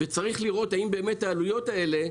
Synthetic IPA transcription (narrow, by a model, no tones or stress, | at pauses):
vet͡saʁiχliʁo̞taimbe̞ːme̞tːaːlujo̞tae̞le̞